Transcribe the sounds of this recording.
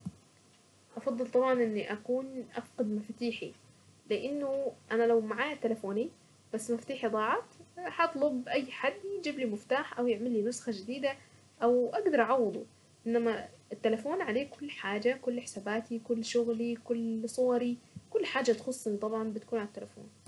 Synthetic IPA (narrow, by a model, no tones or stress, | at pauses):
ʔɑfɑd̪ˤːɨlt̪ˤɑbʕɑnʔɪnːiʔakuːnʔafqɑd̪mɪft̪iːħi | lɪʔɪnːʊʔanalawmaʕaːjat̪ːɪlafoːni | b̥asːmaft̪iːħid̪ˤɑːʕɑt̪hɑt̪ˤlʊbʔajːħad̪ːjd͡ʒiːblimʊft̪aːħʔawjɪʕmɪlːinʊsxad͡ʒɪd̪iːd̪a | ʔawʔaɡd̪ɑɾˤʔɑʕɑwːɑd̪ˤu | ʔɪnːamaɪt̪ːalafoːnʕaleːkʊlːħaːd͡ʒakʊlːħɪ̥sabaːt̪ikʊlːʃʊɣlikʊlːsˤʊwɑɾikʊlːħaːd͡ʒat̪xʊsˤːʔɪnːt̪ˤɑbʕɑnbɪt̪ḁkuːnʕalat̪ːɪlafo̰ːn